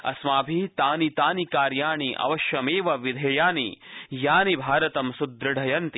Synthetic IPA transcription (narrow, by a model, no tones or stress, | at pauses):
ɐ̰smaːbʱit̪aːnit̪aːnikaːɾjaːɳiʔɐ̰ʋɐʃjɐmeːʋɐʋid̪ʱeːjaːnijaːnibʱaːɾɐt̪ɐmsud̪ɾɐɖʱɐjɐnt̪i